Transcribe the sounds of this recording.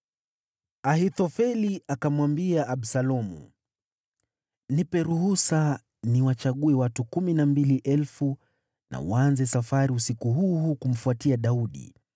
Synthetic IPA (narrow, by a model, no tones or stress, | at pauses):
aɦit̪ɔfɛliʔakamwambiaʔːɓsalɔmṵ | nipɛɾuhusa | niwat͡ʃaɠuɛwatukuminambiliʔɛlfu | nʔa̰w̰anzɛsafaɾiusikuɦuːhuːkum̩fuatiaɗauɗḭ